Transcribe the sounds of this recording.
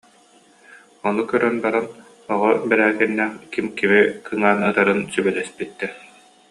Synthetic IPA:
ɔnukœɾœnbaɾan | ɔʁɔbɛɾæːɡɛnːɛːχkimkimikʰɯŋaːnɯt̪aɾɯnsybɛlɛspit̪ːɛ

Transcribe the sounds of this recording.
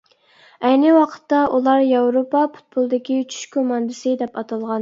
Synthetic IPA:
ɛjnɪwɑqʰə̥t̪ːɑʔulˠɑɾjɑwɾopɑpʰu̥t̪̚pulˠd̪ɪkʲit͡ʃʰy̥ʃkʰomɑnd̪ɨsɪd̪ɛpɑt̪ʰɑlˠʁɑn

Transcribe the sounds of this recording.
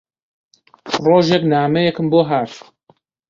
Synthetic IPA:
roːʒjɛknaːmɛjɛkɨmboːɦaːɾ

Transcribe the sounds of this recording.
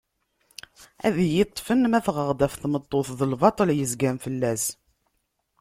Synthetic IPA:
æ̰ðjɪt̪ˤːfənmæθʁəʁd̪æfθmət̪ˤːoθðəlvɑt̪ˤəljəzɡæmfəlːæs

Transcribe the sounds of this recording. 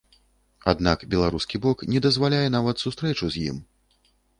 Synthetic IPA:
a̰d̪nakbʲɛlˠaɾuskʲibɔknʲɛd̪ɐzvalʲajɛn̪avɐt̪sust̪ɾɛt͡ʂuzʲjḭm

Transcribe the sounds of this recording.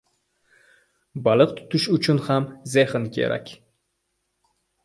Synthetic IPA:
bɑlˠɨq̚t̪ʰʊ̥t̪ʰʊʃʊt͡ʃʰʊnhamzehɪnkʲʰḛɾʔa̰kʲ

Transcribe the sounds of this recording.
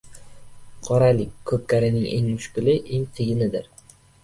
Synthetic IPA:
qʰɒɾalɪkʲʰːɵp̚kʲaɾɪnɪŋʔeŋmʊʃkʲʊlɪʔeŋqʰɨjɪnɪd̪ɪɾ

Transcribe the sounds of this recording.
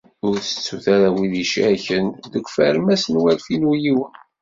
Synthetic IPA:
ʊɾθə̥t͡sːuθaɾæwiðiʃæçənðəkʷːfæ̰ɾmæsənwælfinujiwən

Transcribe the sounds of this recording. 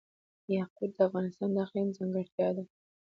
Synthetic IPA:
jɑqud̪̚d̪əafɣɑnɪst̪ɑnd̪axlinzɑŋɡəɽt̪jɑd̪a

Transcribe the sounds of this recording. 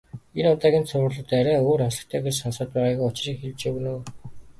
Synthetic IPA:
enʊt̪æːɣʲiːnt͡sʰʊwə̆rɮə̆t̪æɾʲæːoːɾasɞ̥̆kt̪ʰæːɡersɔnsə̆ːt̪̚pæːʁaːɣujʊt͡ɕ̆riːkxeɮt͡ɕɵwnoː

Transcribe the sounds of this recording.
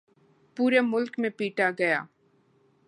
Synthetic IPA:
puːɾemʊlkmẽpiːʈaɡɐjaː

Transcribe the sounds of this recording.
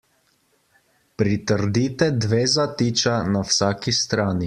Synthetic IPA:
pɾit̪əɾd̪iːt̪ɛd̪ʋeːzat̪iːt͡ʃanawsaːkist̪ɾaːni

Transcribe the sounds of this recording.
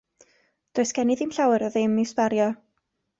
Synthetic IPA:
d̥oɨsɡ̥ɛnɪðɪmɬawɛɾɔðɪmispaɾjɔ

